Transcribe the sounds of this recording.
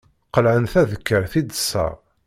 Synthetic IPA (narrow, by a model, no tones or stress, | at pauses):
qəlʕənθæðəkːəɾθid̪ə̥sːə̰ʁ